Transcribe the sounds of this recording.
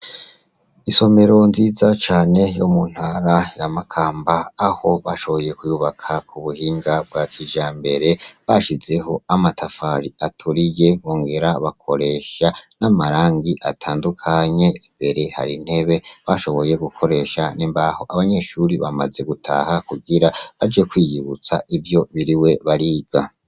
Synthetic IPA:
iso̞me̞ɾo̞nziːzat͡ʃaːne̞jomun̥haɾajamakʰaːmbaːho̞βaʃo̞βo̞je̞kujuβakʰakʰuβuhiːŋɡab̚ɡakʰid͡ʒaːmbe̞ɾe̞βaʃize̞ho̞amatʰafaɾiatʰuɾije̞βoːŋɡe̞ɾaβakʰo̞ɾe̞ʃanamaɾaːŋɡiʔatʰaːndukʰaɲe̞imbe̞ɾe̞ha̰ɾin̥he̞βe̞βaʃo̞βo̞je̞ɡukʰo̞ɾe̞ʃaniːmbaho̞ʔaβaɲe̞ʃuːɾiβa̰ma̰ze̞ɡutʰa̰ːhakuɡiɾaβad͡ʒekwiːjiβut͡sa̰ivjo̞βiɾiwe̞βaɾiːɡ̥a

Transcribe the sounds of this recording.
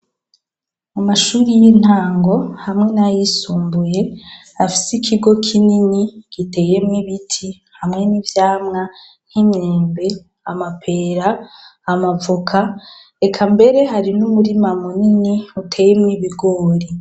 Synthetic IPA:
amaʃuːɾijin̥haːŋɡo̞hamŋe̞najisuːmbuje̞ | afi̥sikʰiɡo̞kʰininikite̞je̞mŋiβitʰi | hamŋe̞nivjaːmŋa | n̥imɲeːmbe̞ | amapʰe̞ɾaːmavukʰa | ekʰambe̞ɾe̞ɦaɾinumuɾimamuniniutʰe̞jemŋiβiɡo̞ːɾi

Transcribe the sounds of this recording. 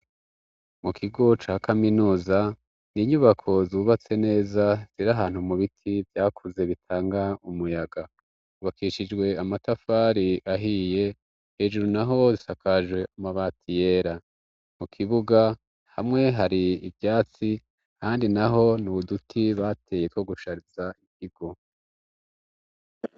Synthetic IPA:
mukʰiɡo̞t͡ʃaːkaminuːza | niɲuβakʰo̞zuːβat͡se̞ne̞ːzaz̥iɾaɦaːn̥humuβitʰivjaːkʰuze̞βitʰaːŋɡaumujaɡa | uβakiʃid͡ʒɡwe̞amatafaɾiʔaɦije̞ | he̞ːʒuɾunaɦo̞zisakʰaʒwe̞maβatʰije̞ːɾa | mukʰiβuɡa | ha̰mŋe̞ɦaɾiːvjaːt͡si | haːndinaɦo̞nuβudutʰiβatʰe̞je̞kʰo̞ɡuʃaɾizaikiɡo̞

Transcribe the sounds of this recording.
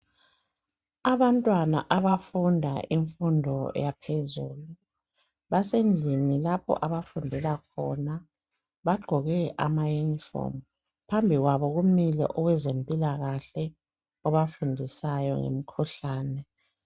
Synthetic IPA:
aβantʼwana̰ʔaβafundʱa̰ʔiɱfundʱɔ̰japʰezuːlu | βasend͡ɮʱinilapʰɔ̰ʔaβafundʱɛlakʰɔ̰na | βaɡ͡ǃʱɔɣɛʔa̰majunifɔ̰m | pʰambʱiɣwaβɔɣumilɛ̰ʔɔɣwɛzempʼilaɣaɬɛ | ɔβafundʱisajɔ̰ŋḛm̩kʰuɬaːnɛ

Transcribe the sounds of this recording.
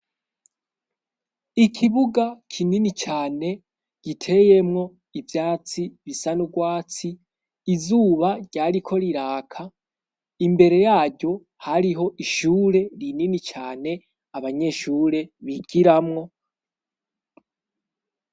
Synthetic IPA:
ikʰiβuɡakʰininit͡ʃaːne̞ | ɟ̥itʰe̞je̞mŋo̞ | ivjaːt͡siβisanuɡwaːt͡siː | zuːβaɟ̥aːɾikʰo̞ɾiɾaːkʰa | imbe̞ɾe̞jaːɟo̞ | haɾiɦo̞ʔiʃuːɾe̞ɾininit͡ʃaːne̞ | aβaɲe̞ʃuːɾe̞βiɡ̥iɾamŋo̞

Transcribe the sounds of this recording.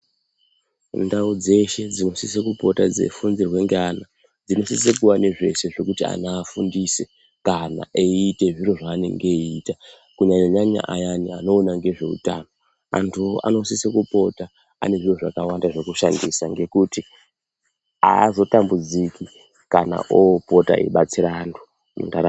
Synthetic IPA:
ndaud͡ze̞ʃe̞d͡zino̞sisekupo̞tad͡ze̞̰funzirwe̞ŋɡeana | d͡zino̞sis̬ek̬uwaneʐe̞se̞ʐe̞kutia̰naːfundise | kana̰ʔeite̞ʐiro̞ʐaːnḛŋɡeita | kuɲaɲaɲaɲa̰ʔajania̰no̞ːnaŋɡe̞ʐe̞̰ṵtaːno̞ | a̰ntʰuʔa̰no̞sisekupo̞ta | a̰ne̞ʐiroʐa̰kawandaʐe̞kuʃandisaŋɡe̞kuti | a̰ːzo̞tambud͡zikʰi | kana̰ʔopo̞ta̰ḭɓat͡siɾantʰu̥ | mṵndaɾa

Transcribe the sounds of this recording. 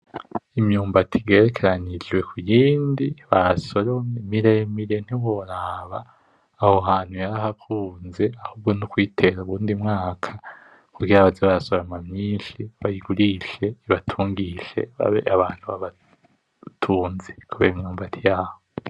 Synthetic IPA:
imɲuːmbatʰiɡe̞ːɾekʰeɾanid͡ʒɡwe̞kʰujiːndiβaso̞ɾo̞memiɾemiɾen̥hiwoɾaːβaː | hoɦaːn̥hujaɾaɦakʰuːnze̞ahuːb̚ɡo̞nukwiːtʰe̞ɾauβuːndimŋaːkʰḁ | kuɡiɾaβazeβaɾaso̞ɾo̞mamɲiːnʃiβajiɡuɾiʃe̞iβatʰuːŋɡiʃe̞̰βa̰βḛaβaːn̥huβaβa | tʰuːnzekuβeːɾimɲuːmbatʰijaːho

